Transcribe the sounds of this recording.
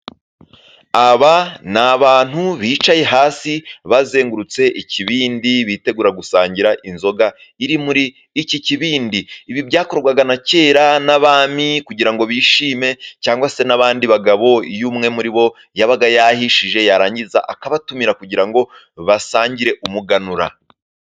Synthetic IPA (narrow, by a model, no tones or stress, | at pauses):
aβanaβaːn̥huβiːt͡ʃaje̞ɦaːsiβaze̞ːŋɡuɾut͡se̞ʔiciβiːndiβiːte̞ɡuːɾaɡusaːɲɟiɾaʔinzo̞ɡaiɾimuɾiː | ciciβiːndiːβiβjaːko̞ɾɡwaɡanace̞ːɾanaβaːmikuɟiɾaŋɡo̞βiːʃiːme̞caːŋɡwase̞naβaːndiβaɡaβo̞ijuːmŋe̞muɾiβo̞ | jaβaɡajahiʃiʒe̞jaɾaːɲɟiza̰ʔakaβatumiɾakuɟiɾaŋɡo̞ | βasaːɲɟiɾe̞ʔumuɡanuɾa̰